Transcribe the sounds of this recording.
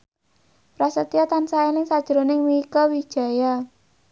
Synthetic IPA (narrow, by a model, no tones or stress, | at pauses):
rasət̪iat̪ansaɛnɪŋsad̥ʒ̥ɾo̤nɪŋmiikɔwi̥ʒ̥a̤ja